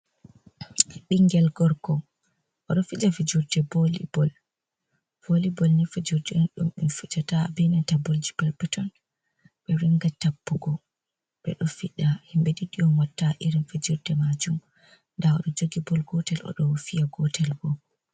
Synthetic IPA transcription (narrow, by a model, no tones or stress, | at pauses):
ɗiŋɡɛlɡɔɾɡɔ | ʔɔɗɔfiɗafid͡ʒuɾdɛbolḭbɔl | b̥olibɔlnɛfid͡ʒuɾdɛɔnɗumɗumfut͡ʃatabɛnɛtabold͡ʒipɛlpɛtɔn | ɓɛɾiŋɡatapːuɡɔ | ɓɛ̰ɗɔfiɗahimbɛdiɗijɔnwatːaʔiɾinfid͡ʒuɾdɛmad͡ʒum | ndaɔ̰ɗɔd͡ʒoɡibɔlɡɔtɛlʔɔ̰ɗɔwfijaɡɔtɛlɡɔ